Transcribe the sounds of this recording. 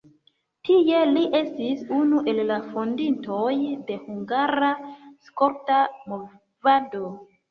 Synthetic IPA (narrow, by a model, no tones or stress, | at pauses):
tie̞liʔe̞stisunuʔe̞lːafondinto̞jde̞huŋɡaɾaskoɾtamo | vado̞